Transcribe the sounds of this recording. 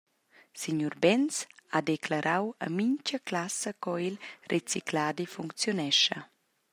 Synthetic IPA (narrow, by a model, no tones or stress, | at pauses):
siɲuɾbɛnsad̪eklaɾʔawə̰miɲcəklasəkɔilrʔet͡siklaːd̪ifuŋkt͡sjonɛʃɐ